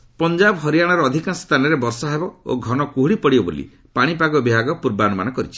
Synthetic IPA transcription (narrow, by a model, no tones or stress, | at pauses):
pɔnd͡ʒabɔɦɔɾijaɽ̃ɔɾɔːd̪ʱikanst̪ʰanɔɾebɔɾsɔɦebɔo̰ɡʱɔnɔkuɦɽipɔɽibɔbo̰lḭ | paɽ̃ipaɡɔbiɦaɡɔpuɾbanɔma̰nɔkɔɾit͡ʃʰi̥